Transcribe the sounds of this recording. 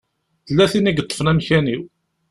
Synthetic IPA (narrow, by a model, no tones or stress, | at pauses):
θəlːæθiniɡət̪ˤːə̥fnæmçæniw